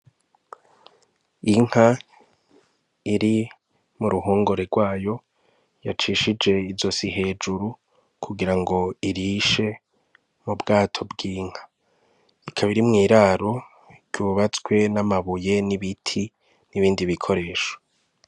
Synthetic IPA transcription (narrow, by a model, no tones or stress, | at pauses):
iŋ̥ha | iɾi | muɾuɦoːŋɡoɾe̞ɾɡwaːjo̞ | jat͡ʃiːʃid͡ʒe̞izo̞siɦe̞ːd͡ʒuɾu | kʰuɡiɾaŋɡo̞iɾiʃe̞ | mubɡaːtʰo̞bɡiːŋ̥ha | ikʰaβiɾimŋiːɾaɾo̞ | ɾɟuːβat͡swe̞namaβuje̞niβitʰi | niβiːndiβikʰo̞ɾe̞ːʃo̥